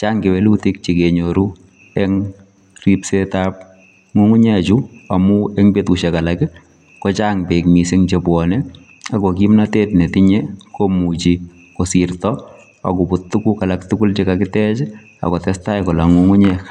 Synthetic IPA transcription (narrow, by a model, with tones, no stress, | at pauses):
t͡ʃaː˦ŋke˨wɛ˦luti˦k̚t͡ʃi˨ke˨ɲoɾu | ɛŋ | ripsetap̚ | ŋu˦ŋu˦ɲɛ˦t͡ʃu˦a˨mu˦ɛ˦ŋbetu˨ʃɛ˨ka˨lakɪ | kɔ˦t͡ʃaŋbe˨kmi˨sɪŋt͡ʃepwɔnɛ | a˨kɔ˨k̬imnate˦tne˨tɪɲe˦komut͡ʃi | ko˨sirtɔ | a̰˨ku˨pʊ˨tːu˦kuka˨laktukʊ˦lt͡ʃeka˨kɪtɛ˦t͡ʃ | a̰˨kɔ˨tɛ˦sta˦jkɔ˨la˨ŋuŋu˦ɲɛ